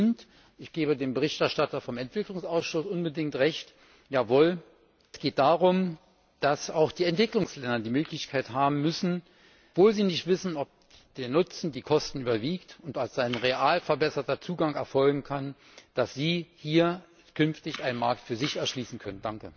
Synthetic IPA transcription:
nt | ʔɪçɡ̥eːbədeːmbəʁ̞ɪçtɛɐʃtatɐfɔmɛntv̥ɪklʊŋsʔaʊsʃʊsʔʊnbədɪŋk̚tʁɛçt | jaːvoːl | sɡ̥eːt̚d̥aːʁʊm | d̥asaʊxd̥iːɛntv̥ɪklʊŋslɛndɐdiːmøːklɪçkʰaɪthaːbm̩mʏsn̩ | v̥oːlziːnɪçtv̥ɪsn̩ɔp̚ | d̥eːɐnʊt͡sn̩diːkʰɔstn̩yːbɐviːktʊntalsz̥aɪnʁeʔaːlfɛɐbɛsɐtɐt͡suːɡaŋɛɐfɔlɡŋ̩kʰan | d̥asz̥iːhiːɐ | kʰʏnftɪçʔaɪnənmaɐk̚tfyːɐzɪçɛɐʃliːsn̩kʰœnənd̥aŋkə

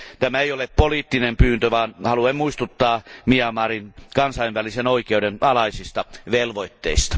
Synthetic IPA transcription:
t̪æmæeijoleppoliːt̪ːinempyːnt̪øʋɑːnhɑluɑimmuist̪ut̪ːɑːmiɑmːɑːrinkɑnsɑiʋʋælisenoikeudenɑlɑisist̪ɑʋelʋoit̪ːḛist̪ɑ̥

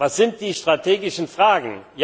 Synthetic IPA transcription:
vasz̥ɪnt̚d̥iːʃtʁ̥atʰeːɡɪʃn̩fʁ̥aːɡŋ̩j

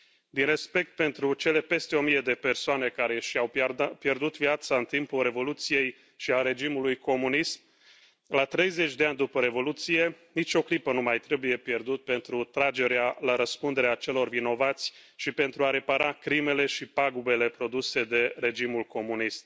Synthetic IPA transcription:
d̪inre̞spe̞k̚t̪̚pe̞nt̪ɾut͡ʃe̞le̞pe̞st̪e̞o̞mije̞d̪e̞pe̞rsoane̞kaɾe̞ʃiawpje̞rd̪ut̪vjat̪saɨnt̪impulre̞vo̞lut̪sije̞j | ʃiaɾe̞d͡ʒimulujko̞munism | lat̪ɾe̞jze̞t͡ʃʲd̪e̞anʲd̪upəɾe̞vo̞lut̪sije̞nit͡ʃo̞klipənumajt̪ɾe̞buje̞pje̞rd̪ut̪̚pe̞nt̪ɾut̪ɾad͡ʒe̞ɾealaɾəspund̪e̞ɾeat͡ʃe̞lo̞rvino̞vat̪sʲʃipe̞nt̪ɾuaɾe̞paɾakɾime̞le̞ʃipaɡube̞le̞pɾo̞d̪use̞d̪e̞re̞d͡ʒimulko̞munist̪̚

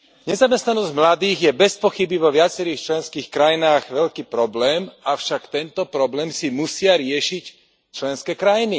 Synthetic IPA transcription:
ɲɛzamɛst̪nanɔzɟmlad̪iːɣjɛbɛspɔxibiʋɔʋɪat͡sɛɾiːxt͡ʃlɛnskiːxkɾajinaːɣʋɛʎkiːpɾɔblɛːmafʃakt̪ɛnt̪ɔpɾɔblɛːmsimusɪaɾɪɛʃic | t͡ʃlɛnskɛkɾajini

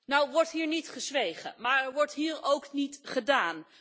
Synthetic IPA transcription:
nawʋɔɹtɦiːɹnitχəzʋejχə̰maːɹɛɹʋɔɹtɦiːɹowknitχədaːn

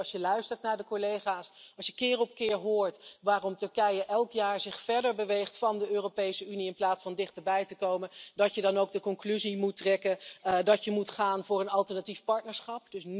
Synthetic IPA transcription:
ʃjəlœɥstəɹtnaːɹdəkɔlejχaːsɑlˠʃjəkɪːrɔp̚kɪːɹɦʊːɹtʋaːrɔmtɵɹkɛjəʔɛlˠkjaːɹzɪχfɛɹdəɹbəʋejχtfɑndəøːropejsəyniɪnplaːtsfɑndɪχtəɹbɛjtəkowməndɑtjədɑnowɡ̚dəkɔŋklyzimutrɛkəndɑtjəmutχaːnvʊːɹənɑlˠtəɹnatifpɑɹtnəɹsχɑp̚d̥ɵs

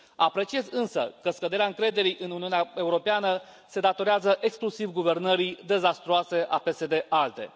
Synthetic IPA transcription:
apɾe̞t͡ʃie̞zɨnsə̰kəskəd̪e̞ɾeaɨŋkɾe̞d̪e̞ɾijʔɨnuniuneae̞uɾo̞peanə | se̞d̪at̪o̞ɾeazəʔe̞ksklusivɡuve̞rnəɾid̪e̞zast̪ɾoase̞ʔape̞se̞d̪e̞ʔalt̪e̞̰

